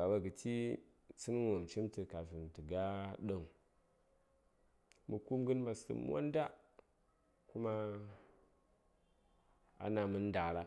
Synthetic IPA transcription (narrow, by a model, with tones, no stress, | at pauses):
a˨wa˦ɡə˨ti˦ | t͡si˦n˦wo˨m˨t͡ʃi˦mtɨ˨ka˨vi˨m˨tə˨ɡa˦ɗo˨ŋ | mu˨ku˦mɡə˦nba˨sə̰˨m̰˦wa̰˦nda˦ | ku˦ma˦ | a̰˦na˨mɨ˦n˦da˨ɾa˦